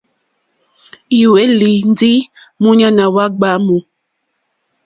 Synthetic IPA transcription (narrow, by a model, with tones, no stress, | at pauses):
ji˨we˦li˨n˦d͡zi˦mu˦ɲa˦na˨wa˦ɡ͡ba˦mu˨